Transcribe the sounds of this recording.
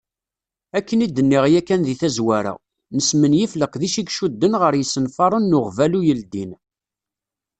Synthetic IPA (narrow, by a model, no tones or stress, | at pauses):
ækːənid̪ənːiʁjækːænðiθæzwæɾa̰ | nəsmənjifləqðiʃiɡʃud̪ːənʁəɾjəsːənfɑɾˤənːʊʁvælujəld̪in